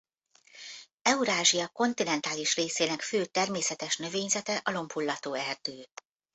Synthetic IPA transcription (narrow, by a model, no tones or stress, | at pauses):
ɛuɾaːʒijɒko̞nt̪inɛnt̪aːliʃreːseːnɛkføːt̪ɛrmeːsɛt̪ɛʃnø̞veːɲzɛt̪ɛʔɒlo̞mpʰulːɒt̪oːɛrd̪øː